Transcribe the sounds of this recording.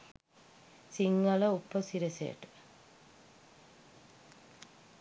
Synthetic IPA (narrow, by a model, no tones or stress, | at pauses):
siŋɡɐlɐupːəsiɾesḛʈə̥